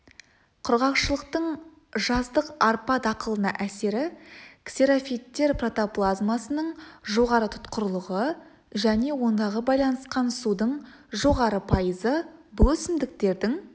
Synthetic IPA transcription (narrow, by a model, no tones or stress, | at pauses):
qʰʊɾʁɑqʃəlˠəq̚t̪əɴ | ʒɑzd̪əqɑɾpɑt̪ɑqəlˠənɑ̰ʔæse̞ɾɪkseɾafijt̪ːe̞ɾprot̪oplˠazmasənəɴʒo̞ʁɑɾət̪ʰʊ̥t̪qəɾlˠəʁə | ʒæne̞wo̞nd̪ɑʁəbɑjlˠɑnəsqɑnsud̪əɴʒo̞ʁɑɾəpʰɑjəzəbɵsɪmd̪ɪk̚t̪e̞ɾd̪ɪŋ